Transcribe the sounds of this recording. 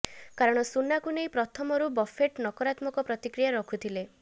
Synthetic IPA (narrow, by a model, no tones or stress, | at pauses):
kaɾɔɽ̃ɔsunːakunejpɾɔt̪ʰɔmɔɾubɔfʰeʈnɔkɔɾat̪mɔkɔpɾɔt̪ikɾijaɾɔkʰut̪ʰile